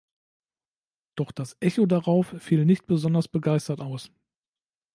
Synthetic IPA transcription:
d̥ɔχd̥asʔɛçodaʁaʊfːiːlnɪçt̚b̥əzɔndɐsb̥əɡaɪstɐtʔaʊs

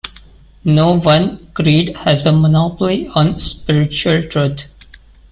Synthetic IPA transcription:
noːʋʌ̃nkɾiːɖhæzəmənɔːpəliɔ̃ːnspɪɾɪt͡ʃuəlʈɾuːt̪ʰ

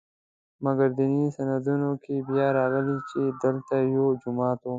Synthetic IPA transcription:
mɐɡəɾd̪inisɐnɐd̪unõkibjaːɾaːɣəlit͡ʃed̪ɪlt̪ajod͡ʒumɑːt̪o

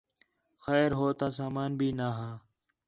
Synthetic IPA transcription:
xɛːɾɦoːt̪aːs̬aːmaːnbʱiːnaːɦãː

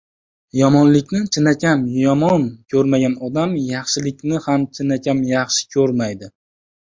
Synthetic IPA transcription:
jɒmɒnlɪkʲnɪt͡ʃʰɪnakʲamjɒmɒnkʲʰɵɾmaɡʲanɒd̪amjɑχʃɪlɪkʲnɪhamt͡ʃʰɪnakʲʰamjɑχʃɪ̥kʲʰɵɾmajd̪ɪ

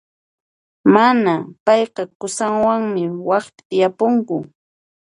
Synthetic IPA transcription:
manapɑjqɑkʊsaŋwaŋmɪwɑχpɪ̥t̪ɪjapʊŋkʊ

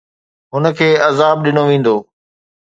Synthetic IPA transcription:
ɦʊnə̆kʰeːɐzaːb̚ɗɪnoʋẽːn̆d̪oː

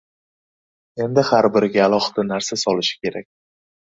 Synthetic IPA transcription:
e̞nd̪ɪhaɾbɪɾɪɡʲaːlˠɒχɨ̥d̪anaɾsasɒlɪʃɪ̥kʲʰe̞ɾakʲ

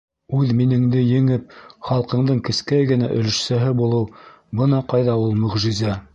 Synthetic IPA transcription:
ʉðminɘ̆ŋd̪ɘjɘ̆ŋɘp̚χɑlˠqɤ̆ɴd̪ɤɴkɘ̆skæjɡɘ̆næʔɵ̰̆lɘ̆ʃsæɦɘbulˠɤw | bɤnɑqɑjðɑulˠmɵ̆ʁʒĭzæ

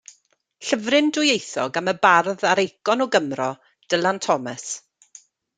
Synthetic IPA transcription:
ɬəvrɪndʊjejθɔ̰ɡaməbarðaɾejkɔnɔɡəmrɔ | d̥əlˠantʰɔmə̰s

